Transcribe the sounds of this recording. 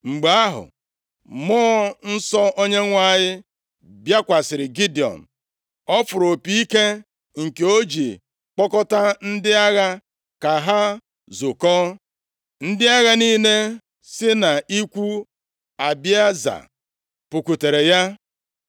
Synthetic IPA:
ŋ͡m̩˨ɡ͡ba˨˦a˦ɦʊ̰˨ | mɔː˦n̩˦sɔ˦o˦ɲe˦ŋʷa˦˨ɲɪ˦ | bja˦kʷa˨sɪ˨ɾɪ˨ɡi˦di˨ɔ̰˨n̩˨ | ɔ˦fʊ˨ɾo˨pi˦i˦ke˦ | ŋ̩˨ke˨o˦d͡ʒi˨ | k͡pɔ˦kɔ˦ta˦n̩˦dɪ˦a˦ɣa˦ | ka˨ɦa˦ | zʊ˨kɔ˦ | n̩˦dɪ˦a˦ɣa˦niː˦ne˦ | sɪ˦na˨i˦kʷu˦ | a˨bja˦za̰˨ | pʊ˨kʷu˨te˨ɾe˨ja˦

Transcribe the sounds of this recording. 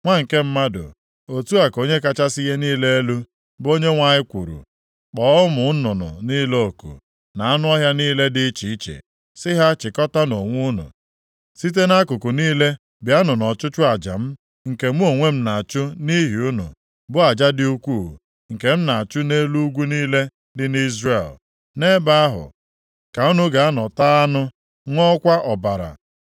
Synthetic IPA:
ŋʷa˦ŋ̩˨ke˦m̩˦ma˦dʊ̰˨ | o˨tu˦a˨ko˦ɲe˦ka˦t͡ʃa˦si˦je˦niː˦le˦e˦lu˦ | bo˦ɲe˦ŋʷa˨ɲɪ˦kʷṵ˨ɾṵ˨ | k͡pɔː˦ʊ˦mʊ˨˦nʊ˨nʊ̰˨ni˦lo˦˨kṵ˨ | na˨a˦nʊ˦ɔ˦ɦja˦niː˦le˦dɪ˦t͡ʃi˨i˦t͡ʃḛ˨ | sɪ˦ɦa˦t͡ʃɪ˨kɔ˦ta˦no˨ŋʷu˦nʊ̰˨ | si˦t̬e˦na˦kʊ˨kʊ˨niː˦le˦ | bja˦nʊ˨nɔ˨t͡ʃʊ˦t͡ʃʊ˦a˨d͡ʒa̰˨m̩˦ | ŋ̩˨ke˨m˦o˨ŋʷe˦m̩˦na˨t͡ʃʊ˦ni˦ɦi˨ʊ˦nʊ̰˨ | bʊ˦a˨d͡ʒa˦dɪ˦u˦kʷuː˦˨ | ŋ̩˨ke˨m̩˦na˨t͡ʃʊ˦ne˦lu˦ɡʷu˦niː˦le˦ | dɪ˦ni˦zre˦˨l | ne˦ba˦a˦ɦʊ̰˨ | ka˨u˦nu˦ɡa˨a˦nɔ˨ta˦a˦nʊ˦ | ŋʷɔ˦kʷa˦ʔɔ˨ba˨ɾa̰˨

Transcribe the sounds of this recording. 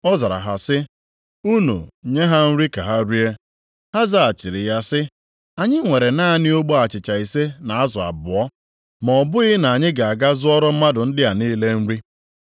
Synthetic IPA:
ɔ˦za˨ɾa̰˨ɦa˨sɪ˦ | u˦nṵ˨ɲe˦ɦa˦n̩˦ɾi˦ka̰˨ɦa˦ɾi˦e˦ | ha˦za˦a˨t͡ʃɪ˨ɾɪ˨ja˦sɪ˦ | a˨ɲɪ˦ŋʷe˨ɾe˨na˦nɪ˦o˦ɡ͡bo˦a˨t͡ʃɪ˨t͡ʃa˨i˨se˦na˨a˦zɔ˨a̰˨bʊ˨ɔ˦ | mɔ˨ɔ˨bʊ˦ɣɪ˦na˨a˨ɲɪ˦ɡa˨a˨ɡa˦zʊ˦ɔ˦ɾɔ˦m̩˦ma˦dʊ˨n̩˦dɪ˦a˨niː˦le˦n̩˦ɾi˦

